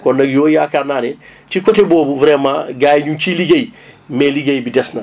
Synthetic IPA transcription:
kɔnːɐɡjoːjakananet͡ʃikoteboːbuvɾɛmãɡaːjɲũt͡ʃiliɡejmeliɡejbidɛsna

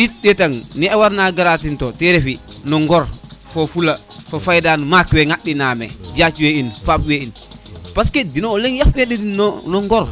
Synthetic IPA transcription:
jitɗɛtaŋniawaɾnaɡaɾatintɔtɛɾɛfi | nɔŋɡɔɾfofula | fafajdanumakwɛŋaɗinamɛ̰d͡ʒat͡ʃweinfapwein | paskedinoːlɛŋjafwɛdinɔnɔŋɡɔɾ

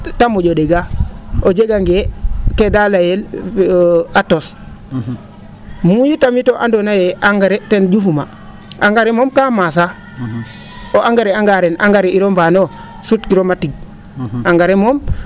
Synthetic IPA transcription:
tamoɟodeɡaod͡ʒeɡaŋɡekedalajel | atos | mujitamitoʔandonajeʔaŋɡaɾetend͡ʒufuma | aŋɡaɾemomkamas̬a | oʔaŋɡaɾeaŋɡaɾenaŋɡaɾeiɾomvano | sutkiɾomatiɡ̚ | aŋɡaɾemom

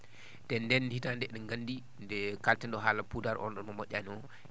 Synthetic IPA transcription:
tɛnːdɛnditandɛɗɛŋɡanːdi | ndɛkaltɛnɗɔɦaːlapudaɾʔɔ̰nɗɔnmɔmɔʔʲːaniɔ

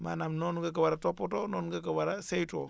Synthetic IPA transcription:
ma̰namnonuɡak̬awaɾatopotononuɡakawaɾasejto̰

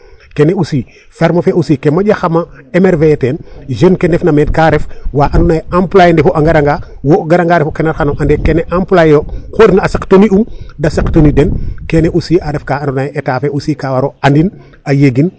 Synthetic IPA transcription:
keneusiː | feɾmofeʔusiːkemaɟaxamaemeɾveetenʒenkenefnameːtkaɾefwaːʔanunajamplajendefoʔaŋɡaɾaŋɡawoɡaɾaŋɡaɾefokenaɾxanoʔandekeneʔamplajjokoɾifnaːsaktoniumdasaktonidenkeneʔusiːʔaɾefkaːandunajʔetaːfeusikawaɾoandin | ajeɡin

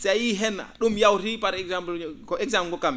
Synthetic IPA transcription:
sajiɦɛna̰ɗumjawtipaɾɛɡzamblkɔɛɡzamɡɔkam

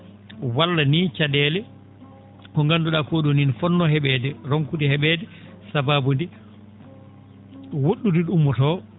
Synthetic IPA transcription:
walːanit͡ʃadɛːlɛ | kɔŋɡanduɗakoɗuninfɔnːɔhɛɓɛːdɛɾoŋkudihɛɓɛdɛ | sababundi | woɗːudiɗumːɔtɔ

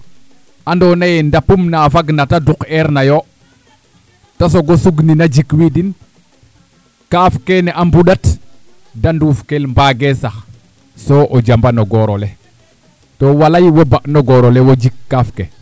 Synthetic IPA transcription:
andonajendapumnafaɡnatadukeɾnajo | tas̬oɡosuɡninad͡ʒikwidin | kafkeneʔambuɗat | dandufkelmbaɡesax | soʔod͡ʒambanoɡoɾole | towalajwobaʔnoɡoɾolewod͡ʒikːafke

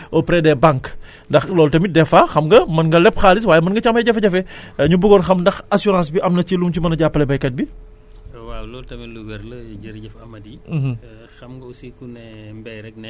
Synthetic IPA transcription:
ɔpɾɛdɛbaŋk | ndɐxlɔltɐmidɛfɐxɐmɡɐmɐnɡɐlɛpxaːlis̬waːjɛmɐnɡɐt͡ʃamɛɟɐfɛɟɐfɛɲubuɡɔnxɐmndɐxɐsuɾɑ̃ːs̬biʔɐmnɐcilumcimɐnɐɟapːɐlɛbɐjkɐt̚bi | walɔːltɐmiluɡɐɾlɐɟɐɾɟɛfɐmɐdih̩ | xɐmɡɐusikunɛmbɛjɾɛk̚nɛ

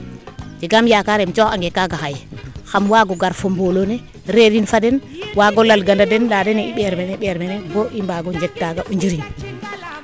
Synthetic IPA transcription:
d͡ʒɛɡamjakaɾɛmt͡ʃɔxaŋɡɛkaɡaxajxamwaːɡɔɡaɾfombolonɛ | ɾeɾinfadɛnwaɡɔlalɡandadɛnladɛnɛiɓɛɾmɛnɛɓɛɾmɛnɛbɔʔimbaɡɔɲd͡ʒɛk̚tːaɡaʔuɲd͡ʒiɾin

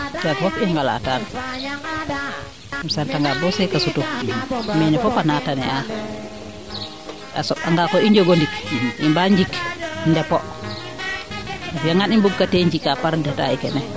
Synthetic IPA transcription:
tafɔpiaŋɡala̰taːn | msantaŋɡabɔsɛkasutu | mɛnɛfɔpanatanɛa | ʔa̰sɔaŋɡakɔiɲd͡ʒoɡondikʔimbaɲd͡ʒikndɛpɔ | afjaŋɡanimbuɡ̚kateɲd͡ʒikːapaɾdɛta̰ikɛ̰nɛ

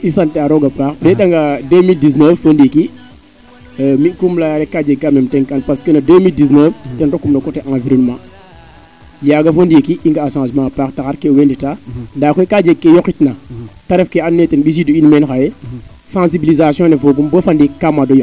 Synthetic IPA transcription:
isɐntɛaɾɔɡɐpaːxdɛɗɐŋɡɐdemildisnəfːəndiki | mikumlajaɾɛkːad͡ʒɛɡ̚kamɛmtɛŋkɐnpɐskənɐdəmildis̬nəftɛnrɔkːumlɐkɔtɛʔãviɾɔnmãː | jaːɡɐfondikiʔiŋɡɐːʃãːʃmãːpaːktɐxɐɾkɛwenditandaːkɔjkad͡ʒɛɡ̚kːɛjɔkːitnɐtɐɾɛfkɛanːɛtɛnbis̬iduinmɛnxɐjɛ | sãsibilizasjɔ̃nɛfoɡumbəfɐndikamadɔjɔ

